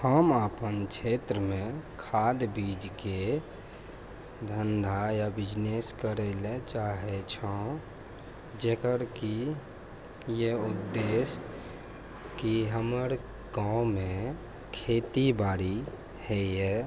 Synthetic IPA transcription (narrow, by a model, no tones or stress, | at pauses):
həmaːpənkʃʰeːt̪ɾəmẽkʰaːd̪biːd͡ʒke | d̪ʱənd̪ʱajabɪd͡ʒneskəɾelet͡ʃaːɦet͡ʃʰã | d͡ʒekəɾki | jeʊd̪ːeːs | kiɦəməɾ | ɡãːmẽ | kʰeːt̪ibaːɽi | hɛɛ